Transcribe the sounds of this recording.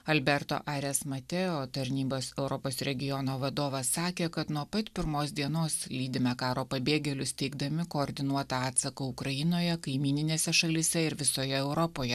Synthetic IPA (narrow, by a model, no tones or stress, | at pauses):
ɐlʲbʲɛɾt̪o̰ʔɑːɾʲɛsmɐt̪ʲɛoːt̪ɐɾʲnʲiːbɐsɛʊɾɔpoːsɾʲɛɡʲɪjɔnoːʋɐd̪oːʋɐsːɑːkʲeːkɐt̪nuɔpɐt̪pʲɪɾmoːsd̪ʲiɛnoːslʲiːd̪ʲɪmʲɛkɑːɾoːpɐbʲeːɡʲɛlʲʊst̪ʲɛɪɡd̪ɐmʲɪkoːɾʲd̪ʲɪnuɔt̪ɐɑːt̪sɐkɐʊkɾɐjɪnoːjɛkɐɪmʲiːnʲɪnʲeːsʲɛʃɐlʲɪsʲɛɪɾʋʲɪsoːjɛɛʊɾɔpoːjɛ